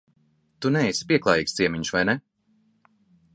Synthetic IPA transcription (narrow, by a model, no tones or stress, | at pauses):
t̪unɛjsʲi̥pʲiɛklˠaːjiːkst̪siɛmiɲusvajnɛ